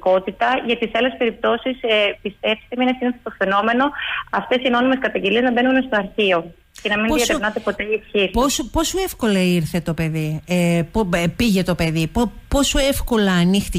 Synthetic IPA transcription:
ko̞t̪it̪ɐʝɐt̪isɐle̞spe̞ɾip̚t̪o̞sispist̪e̞psi̥t̪eminesineset̪ofe̞no̞me̞no̞ɐft̪e̞sino̞nimeskɐt̪ɐɲɟe̞lieznɐbenunest̪oɐɾçio̞ | cenɐminpoðsɐɾevnɐt̪epo̞t̪e̞iefçiɾposopo̞soefko̞lɐiɾθe̞t̪o̞pe̞ðiepopiʝe̞t̪ope̞ðipopo̞soe̞fko̞lɐːnixt̪

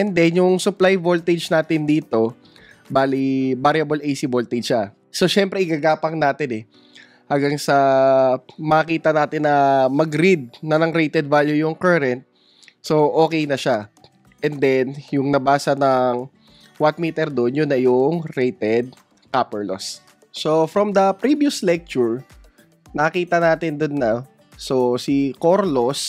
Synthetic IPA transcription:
ʔɛnd̪ɛnjʊŋsʊplajvolt̪ɛd͡ʒnaːt̪ɪnd̪iːt̪o̞ | baːlibaɾjɐbolʔɛjsɪbolt̪ɛd͡ʒʃa | soʃɛmpɾɛɪɡaɡaːpɐŋnaːt̪ɪnɛ | haŋɡɐŋsɐ | mɐɐkiːt̪ɐnaːt̪ɪnːɐmɐɡɾid̪̚nɐnɐŋɾɛjt̪ɛd̪̚vaːljʊjʊŋkɐɾɛnt̪̚ | so̞ʔo̞ːkɛjnɐʃa | ʔɛnd̪ɛnjʊŋnɐbaːsɐnɐŋ | wɐt̪̚miːt̪ɛɾd̪onjʊnːɐjʊŋɾejt̪ɛd̪̚ | kaːpɛɹlo̰sː | o̞fɾɐmd̪ɐpɾivjʊslɛk̚t͡ʃʊɹ | nɐkiːt̪ɐnaːt̪ɪnd̪onːɐ | sosikoɾlos

